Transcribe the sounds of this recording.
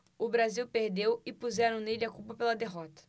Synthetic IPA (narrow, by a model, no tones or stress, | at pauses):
ʊbɾaziwpeɾd̪ewɪpuzɛɾɐ̃w̃nelɐkupɐpelɐd̪eɦɔt̪ɐ̥